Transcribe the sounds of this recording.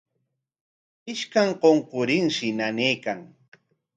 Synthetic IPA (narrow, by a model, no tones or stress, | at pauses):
ɪʃkaŋqoɴqʊɾɪŋʃɪnaneːkaŋ